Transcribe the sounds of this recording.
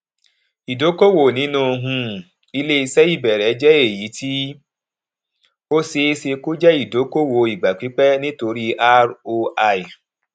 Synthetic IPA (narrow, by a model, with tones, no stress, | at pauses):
i˨do˨˦ko˦wo˨nĩ˨˦nũ˦˧ɦũ˧ | i˧le˦i˧sɛ˦i˦˨bɛ˨ɾɛ˨˦d͡ʒɛ˦e˦˨ji˨˦tʰi˦ | o˦se˧˦se˧ko˦d͡ʒɛ˦i˦˨do˨˦ko˦wo˧i˨ɡ͡ba˨k͡pi˨˦k͡pɛ˦nĩ˦to˧ɾi˦a˦ɾo˧a˧i˨